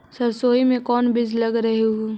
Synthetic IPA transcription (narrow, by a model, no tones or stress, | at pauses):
sɐɾsoːimẽkɔːnbɪd͡ʒʱlɐɡɾɐɦeɦuː